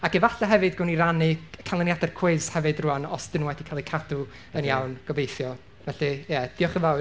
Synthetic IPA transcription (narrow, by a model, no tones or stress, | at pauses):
akɛvaɬaɦɛvɨdɡʊniɾanɨkʰalˠənjadɛrkʰw̥ɪzhɛvɨdruanɔsd̥ɪnuwɛdikʰalˠikʰadu | ənjawnɡ̥ɔbejθjɔ | vɛɬijɛd̥iɔχəvaw